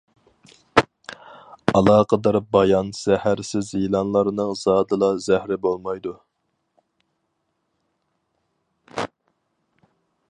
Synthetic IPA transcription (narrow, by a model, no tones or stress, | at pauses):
ɑlˠɑːqʰəd̪ɑɾbɑjɑnz̥æhæɾsɪzilˠɑnlˠɑɾɨnɨŋz̥ɑːd̪ɨlˠɑzæhɾɪbolˠmɑjd̪u